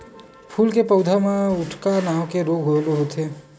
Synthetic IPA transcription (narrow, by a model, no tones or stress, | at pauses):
pʰuːlkepəʊd̪ʱamãʊʈʰkanaːʋkeɾoːɡʱɦoloɦot̪ʰeː